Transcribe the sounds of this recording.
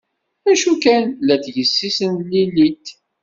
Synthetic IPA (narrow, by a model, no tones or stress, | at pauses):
æʃukænlæθʝəsːisənlilːit̪